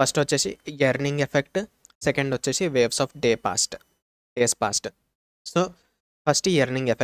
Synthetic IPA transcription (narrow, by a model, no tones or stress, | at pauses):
pʰɐsʈʋɐt͡ʃːeːsḭjiɐɾniŋɡepʰekʈsekɐɳɖʋot͡ʃːeːsiʋeːʋsɔːfɖeːpa̰ːsʈ | ɖeːspa̰ːsʈ | soː | pʰɐɾsʈijɐɾniŋɡepʰe